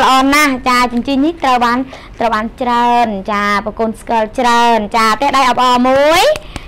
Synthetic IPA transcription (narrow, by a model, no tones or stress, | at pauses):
lə̆ʔɑːnaht͡ɕaːt͡ɕʊnt͡ɕiːniht̪rəwɓaːn | t̪rəwɓaːnt͡ɕraənt͡ɕaːpəkoːnskəəlt͡ɕraənt͡ɕaːt̪ɛəhɗajʔɑwʔɑːmuəj